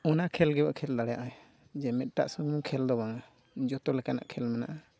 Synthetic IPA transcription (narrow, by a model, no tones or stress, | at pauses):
ɔnakʰɛlɡɛbaʔkʰɛld̪aɽɛjaʔaɛ | d͡ʒɛmɛt̪̚ʈa̰ʔsɔŋuŋkʰɛld̪ɔbaŋa | d͡ʒɔt̪ɔlɛkana̰ʔkʰɛlmɛna̰ʔa